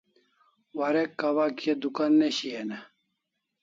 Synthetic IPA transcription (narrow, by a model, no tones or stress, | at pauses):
waɾekːawakied̪ukanːeɕiena